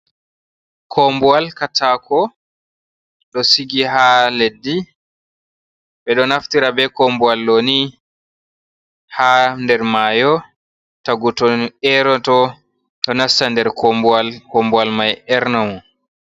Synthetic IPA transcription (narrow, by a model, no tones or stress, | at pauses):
kʰɔmbualkatakʰɔ | ɗɔsiɡiɦaledːi | bɛɗɔnaftiɾabɛkɔmbualːoni | handɛɾmaːjɔ | taɡutɔnɛɾɔtɔ | ɗɔnastandɛɾkɔmbualkɔmbualmajɛɾnawɔn